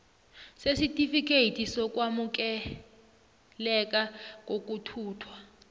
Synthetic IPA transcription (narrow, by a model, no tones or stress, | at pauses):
sesitʼifik̬ʰʼeitʰisɔk̬ʼwamuk̬ɛ | lɛkakok̬ʼutʰuːtʰwa